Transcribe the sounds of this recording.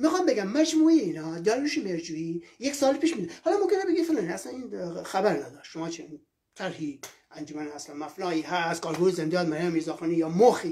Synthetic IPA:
mixɑːmbeɡæmːæd͡ʒmuːeeiːnɒːd̪ɒːɾɾuʃemeɾd͡ʒuiːjeksɑːlpʰiːʃmiːd̪ud̪hɒːlɑːmomkʲʰenebeɡifelɑːnæslæniːnxæbæɾnæd̪ɒːʃʃomɑːt͡ʃʰe | t̪ʰæɾhiːʔænd͡ʒomænhæslænmæfnɑːiːɦæst̪kʰɒːɾhuɾizend̪eɑːd̪mæɾjamizɒːxɑnijɒːmoxi

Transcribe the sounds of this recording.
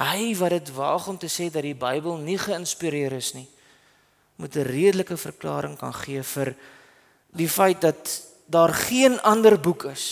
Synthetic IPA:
ɦəjvɐdətvɑ̰ːχɔmtəsɛːdɐtdibəjbəlˠniχəənspiɾiəɾəsni | mutəriədələkəfə̰rklɑ̰ːɾəŋkɐ̰nχiəfər | difəjt̚dɐt̚ | dɑːrχiənɐndərbukʰəs

